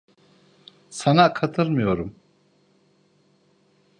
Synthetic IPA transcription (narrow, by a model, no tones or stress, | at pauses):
sanakʰat̪ʰɯɾmɯjo̞ɾum